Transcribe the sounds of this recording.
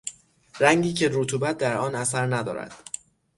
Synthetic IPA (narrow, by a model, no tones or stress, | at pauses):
ɾæŋɟiːcʰe̞ɾot̪ʰuːbæt̪̚ʰd̪æɾɒːnæsæɾnæd̪ɒ̰ːɾæ̰d̪̥